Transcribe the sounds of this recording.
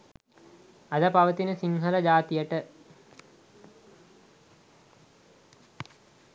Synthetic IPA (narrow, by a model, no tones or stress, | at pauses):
ɐd̪apɐʋət̪inəsiŋɦɐlɐd͡ʒaːt̪ijəʈə